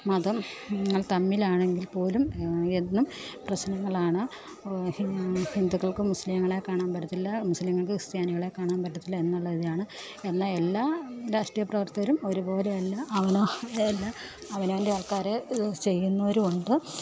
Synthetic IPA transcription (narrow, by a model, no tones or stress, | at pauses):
mɐðɐmɐŋːɐɭt̪ɐmːilaːɳe̞ŋɡilpo̞ːlumenːumprɐɕnɐŋːɐɭaːɳɨ | hihind̪ukːɐɭkɨmuslimŋːɐɭe̞kːaːɳaːnpɐʈːɐt̪ːilːɐmusliŋːɐɭkɨst̪jaːniɣɐɭe̞kːaːɳaːnpɐʈːɐt̪ːilːɐe̞nːuɭːɐðiðijaːɳɨ | e̞nːae̞lːaːɾaːʂʈrijɐprɐʋɐrt̪ɐɐɾumo̞ɾubo̞ːleɐlːaʔɐʋɐnoelːa | ɐʋɐnoʋendeɐɭkaːɾet͡ɕe̞jːunːɐoɾuoɳɖɨ